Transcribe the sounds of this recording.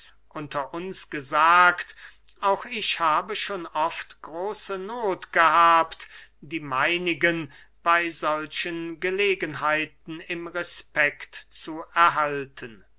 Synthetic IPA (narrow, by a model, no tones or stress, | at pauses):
ʔʊntʰɐʔʊnsɡ̥əzaːkt | ʔaʊxɪʃhaːbəʃoːnɔftɡ̥ʁoːsənoːtɡ̥əɦaːptd̥iːmaɪnɪɡən | b̥aɪzɔlʃənɡəleːɡənɦaɪtn̩ɪmʁɛspɛktt͡suɛɐɦaltʰən